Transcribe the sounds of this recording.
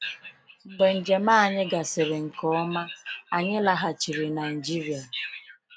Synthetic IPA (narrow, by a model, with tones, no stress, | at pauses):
ŋ͡m̩˨ɡ͡be˨n̩˨d͡ʒe˨ma˦˨ɲɪ˦ɡa˨sɪ˨ɾɪ˨ŋ̩˨kɔ˨˦ɔ˦ma˦a˨ɲɪ˦la˨ɦa˨t͡ʃi˨ɾi˨na˨ɪ˨d͡ʒi˦ɾi˨a˨